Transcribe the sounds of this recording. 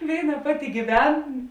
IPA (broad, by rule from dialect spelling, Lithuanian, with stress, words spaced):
ˈʋʲeːɪˌnɐ ˈpɑːˌtʲɪ ɡʲiːˈʋʲɛn